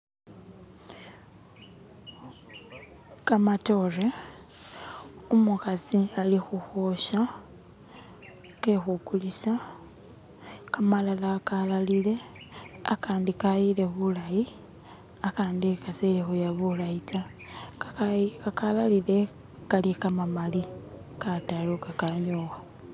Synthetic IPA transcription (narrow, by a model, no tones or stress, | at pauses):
kamato̞re | umukasialixuxo̞ʃa | ke̞xukulisa | kamalalakalalile̞ | a̰kaːndikajile̞βulaji | akaːndikaselixujaβurait͡sa | kakalalile̞ | kalikamamali | katalokakaɲowa